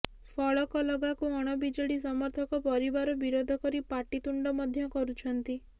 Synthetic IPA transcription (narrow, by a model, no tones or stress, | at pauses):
pʰɔɭɔkɔlɔɡakuɔɽ̃ɔbid͡ʒɔɽis̬ɔmɔɾt̪ʰɔkɔpɔɾibaɾɔbiɾod̪ʱɔkɔɾipaʈit̪uɳɖɔmɔd̪ʱjɔkɔɾut͡ʃʰɔnt̪i